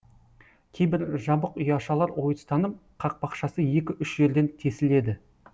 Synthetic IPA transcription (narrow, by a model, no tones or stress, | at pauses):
kʲʰe̞jbɪɾʒɑbəqʏjɑʃɑlˠɑɾwo̞jəst̪ɑnəpqʰɑq̚bɑqʃɑsəje̞kʲɪʔʏʃʒe̞ɾd̪e̞nt̪ʰe̞sɪle̞d̪ɪ